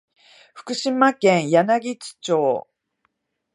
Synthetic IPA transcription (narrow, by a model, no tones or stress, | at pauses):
ɸɯ̟̥kɯ̟ɕimakẽɰ̃janaɡʲit͡ɕi̥t͡ɕo̞ː